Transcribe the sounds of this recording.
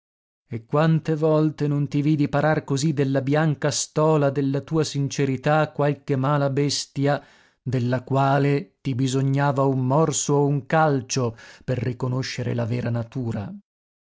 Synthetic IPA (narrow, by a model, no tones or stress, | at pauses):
ekːwant̪evɔlt̪enont̪iviːd̪ipaɾarkozid̪elːabjaŋkast̪ɔːlad̪elːat̪uːasint͡ʃeɾit̪akwalkemaːlabɛst̪ja | d̪elːakwaːlet̪ibizoɲːaːvaumːɔrsoeuŋkalt͡ʃoperːikonoʃːeɾḛlavɛːɾanat̪uːɾa̰